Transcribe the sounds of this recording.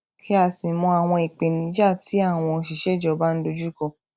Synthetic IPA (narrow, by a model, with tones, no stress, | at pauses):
kʰi˦a˧˨si˨mɔ̃˧a˨w̃ɔ̃˧i˨k͡pe˨nĩ˨˦d͡ʒa˦˨ti˨˦a˦˨w̃ɔ̃˧o˧ʃi˨ʃɛ˦˨d͡ʒɔ˧˦ba˦n̩˦do˧d͡ʒu˦kɔ̃˦˧˨